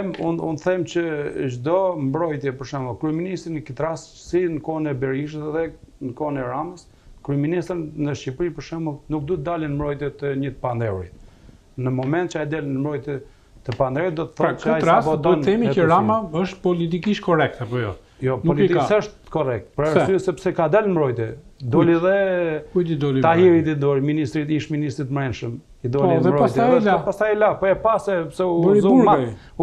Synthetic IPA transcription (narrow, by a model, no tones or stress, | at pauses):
ɛmunṵnθɛmt͡ɕəʒd̪ɔmbɾɔjt̪jɛpəɾʃɛməlˠkɾyɛminist̪ɾinəkət̪ɾas | sinəkɔnɛbɛɾiʃ̬əsðɛnəkɔnɛɾaməs | kɾyɛminist̪ɾnəʃcipɾipəɾʃɛməlˠnuk̚d̪ut̪əd̪alinmbɾɔjt̪jɛt̪əɲət̪pand̪ɛɾḭt̪ | nəmɔmɛnt̪̚t͡ʃəajd̪alinəmbɾɔjt̪ɛ | t̪əpand̪ɛwɾit̪̚d̪ɔt̪əθɔt͡ʃəajt̪ɾabɔtt̪ɔnθɛmiɛəɾamaəʃt̪pɔlit̪̬ikiʃt̪̚kʰɔrɛk̚t̪ɛapɔjɔ | jɔpɔlit̪iksɛəʃt̪kɔrɛk̚t̪pəɾasyɛsɛpsɛkad̪ɛlnəmɾɔjt̪ɛd̪ɔliðɛkuid̪id̪ɔliahiɾid̪id̪ɔɾiminist̪ɾit̪iʃminist̪ɾit̪mɾɛnʃəm | id̪ɔliðɛmɾɔajsjɛlapast̪ajlapɔɛpasɛpsɛubɾizuma